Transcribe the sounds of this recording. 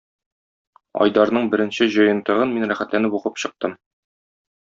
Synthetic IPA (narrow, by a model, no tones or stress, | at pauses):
ɒ̰jd̪ɑɾnɤɴbɘ̆ɾɘ̆nɕɘʑɤ̆jɤ̆nt̪ɤ̆ʁɤnminɾæχæt̪lænɘpuqɤpɕɤ̆q̚t̪ɤm